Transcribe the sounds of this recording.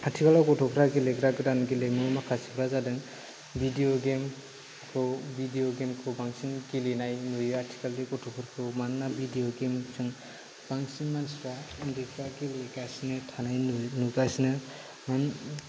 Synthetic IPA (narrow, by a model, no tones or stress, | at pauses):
atʰikalakɔtʰɔkʰɾaɡileɡɾaɡɯɾanɡilemɯmakʰasikʰɾazadɯŋ | bidijoɡem | kʰɯwbidijɔɡemkʰɯwbaŋsinɡilenajnujɯatʰi̥kaldɯkɔtʰɔkʰɯɾkʰɯmanːabidijɔɡemsɯŋ | b̥aŋsinmansɾandeɡɾaɡileɡasinɯtʰanajnukasinɯ | man